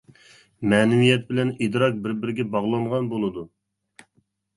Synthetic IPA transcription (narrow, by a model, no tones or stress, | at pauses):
mɛːnɪwijɛt̪̚bɪlɛnid̪ɾɑk̚bɪɾbɪɾɪɡʲɛbɑʁlˠɑɴʁɑnbolˠɨd̪u